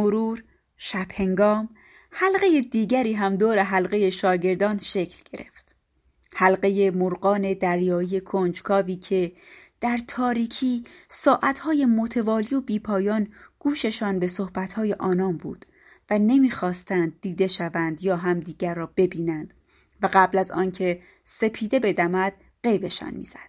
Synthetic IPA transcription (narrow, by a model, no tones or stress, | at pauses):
moɾuːɾ | ʃæb̥he̞ŋɡɒːm | hælɢeje̞d̪iːɡɟæɾiːɦæmd̪oːɾe̞ɦælɢe̞je̞ʃɒːɟe̞ɾd̪ɒːnʃe̞cʰlɟ̥e̞ɾe̞̰ft̪ | hælɢe̞je̞moɾɢɒːne̞d̪æɾjɒːije̞kʰond͡ʒkʰɒːviːcʰe̞ | d̪̥æɾt̪ʰɒːɾiːcʰiːsɒːʔæt̪hɒːje̞mot̪ʰe̞vɒːlijo̞biːpʰɒːjɒːnɡ̥uːʃe̞ʃɒːnbe̞so̞hbæt̪hɒːjeʔɒːnɒːnbṵːd̪̥ | væne̞miːxɒːst̪ænd̪̚ːiːd̪e̞ʃævænd̪jɒːɦæmd̪iːɡæɾːɒːb̥e̞biːnænd̪̥ | væɢæblæzɒ̰ːncʰe̞ | se̞pʰiːd̪e̞be̞d̪æmæd̪̥̚ | ɢe̞jbe̞ʃɒ̰ːnmḭːz̥æ̰d̪̥